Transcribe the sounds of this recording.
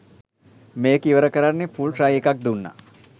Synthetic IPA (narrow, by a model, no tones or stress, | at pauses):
meːkiʋəɾəkəɾanːepʰulʈɾajekak̚d̪unːa̰